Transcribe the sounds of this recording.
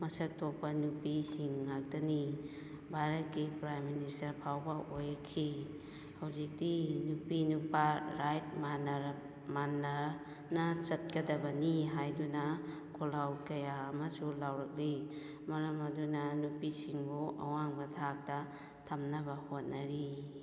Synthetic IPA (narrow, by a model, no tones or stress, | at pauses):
mɐsɐk̚tok̚pɐnupisiŋːak̚dɐni | bʱaɾɐt̚kipɾajministɐɾpʰawbɐʔojkʰːi | hawzik̚dinupinupaɾajt̚manɐ | manːɐ | nɐt͡ʃɐt̚kɐdɐbɐniɦajdunɐ | kʰolawkɐjaːmɐsulawɾɐk̚li | mɐɾɐmɐdunɐnupisiŋbuɐ̰waŋbɐtʰak̚tɐ | tʰɐmnɐbɐhot̚nɐɾi